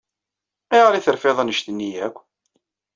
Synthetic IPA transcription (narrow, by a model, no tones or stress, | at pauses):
iʁɾiθəɾfeðˤənəʃt̪ənːijækʷː